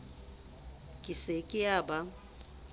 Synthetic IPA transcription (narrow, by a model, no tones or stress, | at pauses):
kʼɪsekʼɪaːba